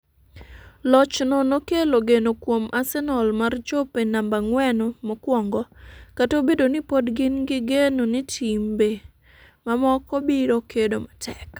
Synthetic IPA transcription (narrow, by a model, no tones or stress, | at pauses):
lɔt͡ʃnɔnokeloɡenokwomʔasɛnɔlmart͡ʃopenambaŋwɛnomɔkwɔŋɡɔkatobedonɪpodɡɪnɡɪɡenonɪtʰimbe | mamɔkɔbiɾokʰedomatʰɛk